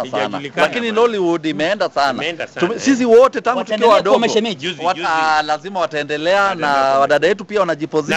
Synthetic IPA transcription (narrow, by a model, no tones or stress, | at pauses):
asa̰na̰lakinilɔliwudimɛɛndasana̰sis̬iwɔtɛtaŋɡutukiwawaɗɔɡwalazimawataɛndɛlɛanawaɗaɗajɛtupiawanaʄipɔzi